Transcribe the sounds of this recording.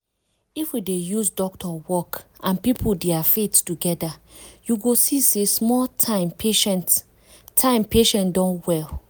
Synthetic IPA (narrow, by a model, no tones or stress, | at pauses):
ifwidejusdɔk̚tɔwɔkʔãnpipʰudeafettːuɡɛdajuɡosisesmɔltʰãmpeʃɛ̃nt | tʰːãɪ̃mpeʃɛ̃ntdɔ̃nwɛl